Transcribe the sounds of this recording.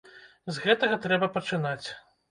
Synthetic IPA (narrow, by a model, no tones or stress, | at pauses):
zɣɛt̪ɐɣɐt̪ɾɛbɐpɐt͡ʂɨnat͡sʲ